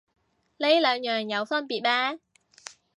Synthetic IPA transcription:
le˨˥jlœː˨˧ŋjœː˨˩ŋjɐ˨˧wsɐ˥npiː˨˩t̚ɓaː˥

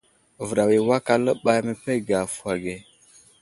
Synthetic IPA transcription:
və˨ɾa˨wi˨wa˦ka˦lə˦ɓa˦jmə˨pe˦ɡa˨fa˨ɡe˨

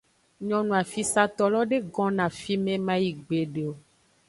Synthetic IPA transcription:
ɲɔ̃˨nũ˨a˨fi˦sa˦t̪ɔ˦lɔ˦ɖe˦ɡɔ̃˦nã˨fi˦mẽ˦mã˦ji˨ɡ͡be˨ɖe˨o˨

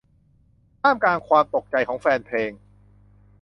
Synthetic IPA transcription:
t̪ʰaː˥˩mkaː˧nkʰwaː˧mt̪o˨˩k̚t͡ɕa˨˧jkʰɔː˩˦ŋfɛː˧npʰleː˧ŋ

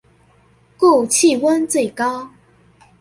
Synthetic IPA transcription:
ku˥˧t͡ɕʰi˥˨wə˦nt͡swe˥˩ɪkɑ˥ʊ

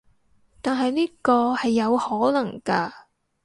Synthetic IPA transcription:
t̪aː˨nɦɐ˨jniː˥kɔː˧hɐ˨jːɐ˨˧whɔː˨˥lɐ˨˩ŋkaː˧

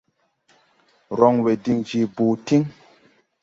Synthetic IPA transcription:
ɾɔ˨ŋwe˨di˧ŋd͡ʒi˨buː˨ti˦ŋ

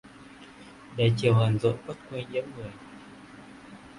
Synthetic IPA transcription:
ɗə˨˩jt͡ɕi˨˩əwhə˨˩nzo̰˧˨jkwə˦˥t̚kwe˧ɲɨ̰˧˥əmŋɨ˨˩əj

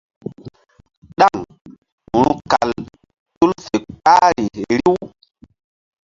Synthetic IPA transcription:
ɗa˦˨ŋ | hu˨ɾu˦ka˨l | tu˦lfe˨k͡pa˦ɾi˨ɾi˦w

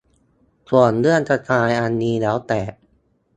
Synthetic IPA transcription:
ku˨˩ənlɯ˥˩ənt͡ɕa˧t̪aː˧jʔa˧nːiː˧lɛː˦˥wt̪ɛː˨˩ʔ̚

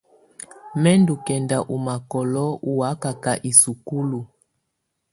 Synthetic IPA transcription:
mɛ˦ndu˨kɛ˨nda˨ʔu˨ma˨kɔ˨lɔ˦u˨wa˦ka˨ka˨ʔi˨su˨ku˦lu˨

